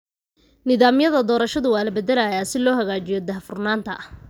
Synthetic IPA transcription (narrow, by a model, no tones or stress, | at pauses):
nɪðaːmjɐðɐd̪ɔːɾɐʃɐðʊwaːlɐbɛðɛlɐjaːsɪlɔːɦɐɣaːt͡ʃɪjɔd̪ɐɦfʊrnaːnt̪ʰɐ̰